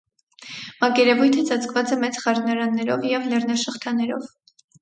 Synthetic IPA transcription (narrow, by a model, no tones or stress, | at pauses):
mɑkɛɾɛvujt̪ʰət͡sɑt͡skvɑt͡sɛmɛt͡sχɑɾnɑɾɑnːɛɾɔ̰vjɛvlɛrnɑʃəχt̪ʰɑnɛɾɔ̰v